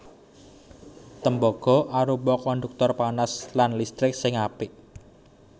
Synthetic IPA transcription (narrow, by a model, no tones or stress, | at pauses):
t̪əmbɔɡ̥ɔ̤ʔaɾubɔkɔnd̪uk̚t̪ɔrpanaslanlist̪ɾɪk̚sɪŋapɪʔ